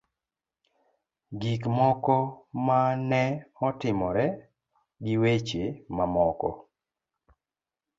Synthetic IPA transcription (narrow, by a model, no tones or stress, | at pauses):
ɡikmɔkɔmanɛɔtɪmɔɾɛ | ɡɪwet͡ʃemamɔkɔ̰